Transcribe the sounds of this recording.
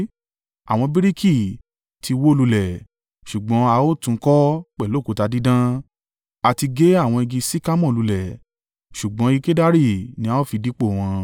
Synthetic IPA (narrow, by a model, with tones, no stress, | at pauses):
a̰˨w̃ɔ̃˧bi˦ɾi˦kʰi˦˨ | tʰi˧wo˦lu˧lɛ˨ | ʃu˨ɡ͡bɔ̃˨˦a˧o˦tũ˧˦kɔ˦k͡pɛ˦˨lo˨˦˨ko˨˧ta˧di˦dã˦ | a˧ti˧ɡe˦a˦˨w̃ɔ̃˧i˧ɡĩ˧si˦ka˦mɔ̃˦˨lu˨˧lɛ˨ | ʃu˨ɡ͡bɔ̃˨˦i˧ke˦da˦ɾi˦˨nĩ˧˦a˦o˦fi˧di˦k͡po˦˨w̃ɔ̃˧